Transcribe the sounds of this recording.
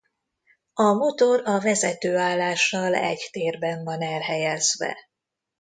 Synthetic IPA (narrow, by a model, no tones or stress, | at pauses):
ɒmo̞t̪o̞ɾɒvɛzɛt̪øːaːlːaːʃːɒlɛ̰ɟt̪eːrbɛɱvɒnɛlɦɛjɛzʋɛ̰